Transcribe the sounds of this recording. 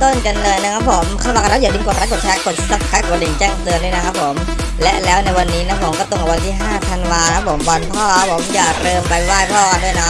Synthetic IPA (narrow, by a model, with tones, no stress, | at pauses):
t̪o˥˩nka˧nlɤː˧jna˦˥kʰa˦˥pʰːo˩˦mkʰa˧mwaː˨˩˧ɾa˦˥jaː˨˩di˧ŋko˨˩ɾa˦˥ko˨˩t̪̚t͡ɕʰɛː˦˥ko˨˩t̪̚sa˧˩kʰa˦˥ko˨˩li˨˩ŋt͡ɕɛː˥˩ŋt̪ɯ˧əndu˥˩jna˦˥kʰa˦˥pʰːo˩˦m | lɛ˦˥ʔlɛː˦˥wna˧jwa˧nːiː˦˥na˦˥pʰːo˩˦kɔː˥˩t̪o˨˩ʔa˨˩wa˧nt̪iː˥˩ɦaː˥˩t̪ʰa˧nwaː˧na˧kʰa˦˥pʰːo˩˦mbɔ˧npʰɔː˥˩a˦˥pʰːo˨˩˦mjaː˨˩ɾɤː˧mpa˧jwaː˥˩jpʰɔː˥˩du˥˩əjnɔ˦˥